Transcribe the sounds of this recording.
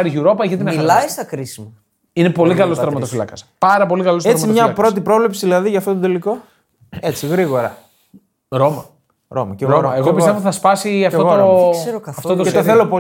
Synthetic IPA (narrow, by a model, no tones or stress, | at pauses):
ɐɾʝuɾo̞pɐʝit̪inɐmilɐist̪ɐkɾisimɐ | inepo̞likɐlost̪ɾomɐt̪ofilɐkɐspɐɾɐpo̞likɐloseɾmt͡sɐimmɲɐpɾo̞t̪̬ipɾo̞vlepsiðilɐðiʝɐft̪ot̪od̪e̞liko̞ | e̞t͡siɣɾiɣo̞ɾɐ | ɾomɐ | ɾo̞mɐceɣoɐeɣopist̪evot̪iθɐspɐsiɐfoɣoooeoɐɐft̪ot̪eoθθelopo